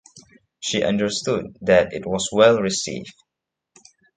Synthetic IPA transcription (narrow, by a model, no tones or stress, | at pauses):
ʃiʔʌ̰̃ndə˞stud̪̚ðætɪ̰t̚wɔswɛlɹisḭvd